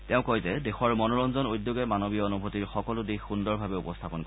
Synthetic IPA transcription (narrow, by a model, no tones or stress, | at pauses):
teʊ̃kɔjzɛdexɔɹmɔnɔɹɔnzɔnojdjoɡɛmanobiɔɔnubʱotiɹxɔkɔlʊdixːundɔɹbʱabɛupɔstʰapɔnk